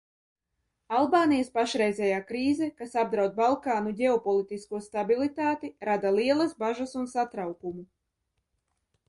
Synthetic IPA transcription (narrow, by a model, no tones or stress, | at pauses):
alˠbaːnijəspaʃɾɛjzʲɛjaːkɾiːzɛkasab̚d̪ɾawt̪̚balˠkaːnuɟʲɛɔpɔlˠit̪iskuɔst̪abilˠit̪aːt̪iɾad̪alˠiɛlˠazbaʒasunsat̪ɾawkumu